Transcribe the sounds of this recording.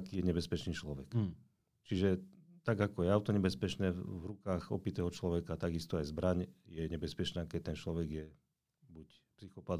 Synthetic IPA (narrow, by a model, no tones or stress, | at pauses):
kiːjɛɲɛbɛspɛt͡ʃniːt͡ʃlɔʋɛ̰k | t͡ʃiʒɛt̪aɡakɔjɛaʊt̪ɔɲɛbɛspɛt͡ʃnɛvɾukaːɣɔ̰pit̪ɛːɦɔt͡ʃlɔʋɛkat̪aɡist̪ɔajzbɾaɲjɛɲɛbɛspɛt͡ʃnaːkɛct̪ːɛnt͡ʃlɔʋɛɡjɛ | buc | psixɔpad̪